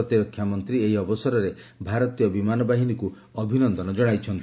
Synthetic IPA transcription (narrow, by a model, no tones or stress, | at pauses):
ɔt̪iɾɔkʰːjamɔnt̪ɾieɦiɔbɔsɔɾɔɾe | bʱaɾɔt̪ijɔbimanɔbaɦiniku | ɔbʱinɔnd̪ɔnɔd͡ʒɔɽ̃ajt͡ʃʰɔnt̪i